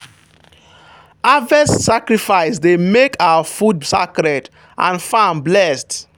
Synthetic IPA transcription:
avɛssakɹifaɪsdemekʰawafud̚sakɾɛt | ʔãnfãmblɛst

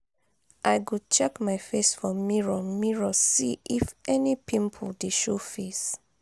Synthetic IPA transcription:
ʔaɪɡut͡ʃɛkmaɪfesfɔmiɹɔmiɹɔsiʔifʔɛnipʰĩmpʰldeʃofis

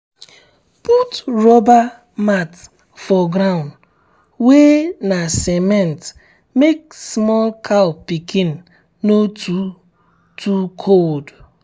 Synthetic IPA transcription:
putɾɔba | mat | fɔɡɾaʊ̃nd | wenasemɛnt | mek̚smɔlkʰalpikʰin̩ | notu | tʰukʰod

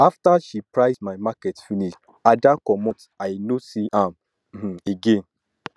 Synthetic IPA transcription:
aftaʃipɹaɪsmaɪmakɛtfiniʃ | adakɔmɔ̃t | aɪnosiʔãm̩ | eɡẽn

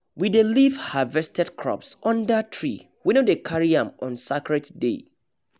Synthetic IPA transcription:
widelivhavɛstɛdkʰɹɔ̰psɔ̃ndatʰɹḭ | winodekʰaɹiãmɔ̃nsakɹɛtdḛ

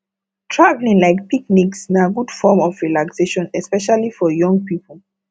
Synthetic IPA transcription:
tʰɹavlĩŋlaɪk̚pikniksnaɡud̥fɔmɔfɹilakseʃɔ̃nɛspɛʃalifɔjɔ̃ŋɡpipʰəlˠ

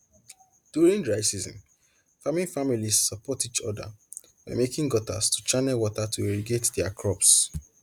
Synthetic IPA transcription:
d̥juɹĩŋdɹaɪsizɔ̰̃n | famĩnfamilizsɔpɔtit͡ʃɔ̰da̰ | wamekĩŋɡɔta̰stu̥t͡ʃanɛlwɔtatʰueɹiɡetdɛakʰɹɔps

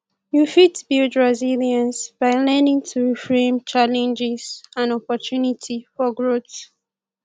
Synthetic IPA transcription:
jufitbildɹaziliãnsb̥aɪlɛ̃nĩŋtʰuɹifɹẽmt͡ʃalɛ̃nd͡ʒɪz̥ãnɔpɔtʰunitʰifɔɡɹot

